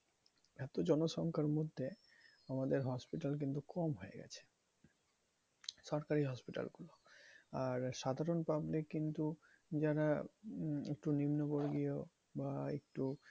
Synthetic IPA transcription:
ɛt̪od͡ʑɔnoʃɔŋkʰaɾmod̪ʱːe | amad̪eɾɦɔspiʈalk̬int̪ukɔmɦoḛɡɛ̰t͡ɕʰe̥ | ʃɔɾkaɾiɦɔspiʈa̰lɡuloaɾʃad̪ʱaɾonpablikːint̪u | d͡ʑaɾa | ḛk̚ʈunimnoboɾɡio | baek̚ʈu

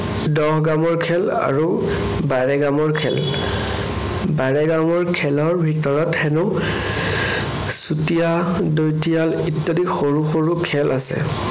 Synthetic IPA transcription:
dɔhɡamɔɹkʰɛl | a̰ɹu | baɹɛɡamɔɹkʰɛ̰l | baɹɛɡamɔɹkʰɛlɔɹbʱitɔɹɔthɛnʊ | sutija | dojtijalitːodixoɹuxoɹukʰɛlʔasɛ̰

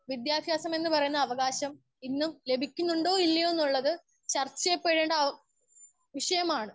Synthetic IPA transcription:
ʋid̪jaːb̪ʱjaːsɐme̞nːɨpɐrɐjunːɐðɐʋɐɣaːɕɐm | inːumle̞bʱikʲːunːuɳɖo̞ːilːɐjenːuɭːɐðɨ | t͡ɕɐrt͡ɕːɐjepːeɻeːɳɖɐ | ʋiʂɐjɐmaːɳɨ

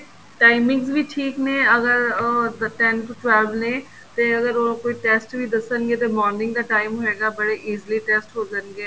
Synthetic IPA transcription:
ʈaːɪmɪ̃ŋɡzbʱiʈʰiːknẽːɐɡəɾd̪əʈɛnʈuʈʋɛːlʋnẽː | t̪eɐɡəɾokoːiʈeːsʈbʱid̪əsənɡeːt̪emɔːɾnɪ̃ŋɡd̪aːʈaːɪmɦoɦeːɡabəɽeʔiːzliʈeːsʈɦoːd͡ʒənɡeː

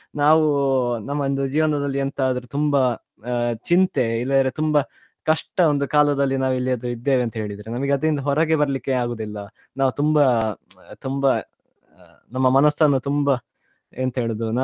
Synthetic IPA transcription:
naːʋunɐmːɐnd̪ud͡ʒiːʋɐnd̪ɐd̪ɐlːiɐnt̪aɐd̪ɐɾut̪umbɐ | t͡ʃint̪e̞ilːɐd̪ɐɾet̪umbɐ | kɐʂʈɐond̪ukaːlɐd̪ɐlːinaːʋuilːiɐd̪uid̪ːeːʋeɐnt̪ɐɦe̞ːɭid̪iɾenɐmɐɡeɐd̪ɐɾind̪ɐɦɔɾɐɡebɐɾɐlikːe̞aːɡoːd̪ilːɐ | naːʋut̪umbɐ | t̪umbɐ | nɐmːɐmɐnɐsːɐnːut̪umbɐ | ɐnt̪ɐɦe̞ːɭod̪unaː

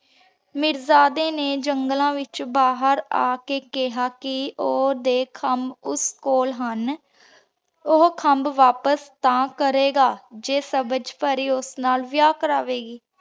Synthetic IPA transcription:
mɪɾzaːd̪eːneːd͡ʒəŋɡlãːʋɪt͡ʃbaːɦəɾa̰ːkeːkɪɦaːkɪoːd̪eːkʰəmbʊskoːlɦən | oɦkʰəmbʋaːpəst̪ãːkəɾeːɡaːd͡ʒeːsəbəd͡ʒpəɾiːʊsnaːlʋɪjaːkəɾaːʋeːɡiː

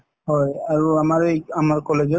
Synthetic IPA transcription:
ɦɔjaɹuamaɹamaɹkɔled͡ʒɔ

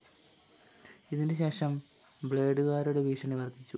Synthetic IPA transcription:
iðindɨɕe̞ːʂɐm | bɭe̞ːɖuɣaːɾuɽeʋiːʂɐniʋɐrt̪ʰːit͡ɕːu

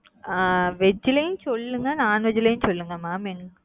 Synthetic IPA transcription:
aʋɛd͡ʒːɪlɐjʊ̃sɔlːɯŋɡɐnaːnʋɛd͡ʒɪlɐjʊ̃sɔlːɯŋɡɐmaːmeŋɡ

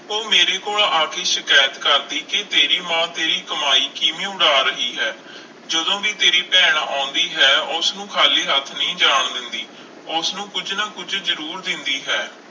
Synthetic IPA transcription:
oːmeːɾeːkoːlaːkʰeːʃɪkaːjət̪kəɾd̪iːkɪt̪eːɾiːmãːt̪eːɾiːkəmaːiːkimĩːʊɽaːɾəɦiːɦɛː | d͡ʒəd̪õːkiːt̪eːɾiːpɛːɳ̃aːʊ̃nd̪iːɦɛːʊsnũːkʰaːliːɦət̪ʰnĩːd͡ʒaːɳd̪ɪnd̪iː | ʊsnũːkʊd͡ʒnaːkʊd͡ʒzəɾuːɾd̪ɪnd̪iːɦɛː

